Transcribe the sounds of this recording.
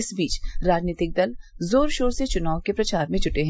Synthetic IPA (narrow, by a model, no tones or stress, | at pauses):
ɪsbiːt͡ʃɾaːd͡ʒniːt̪ɪk̚d̪ɐlzoːɾʃoːɾset͡ʃʊnaːʋkepɾɐt͡ʃaːɾmẽt͡ʃʰʊʈeɦɛ̃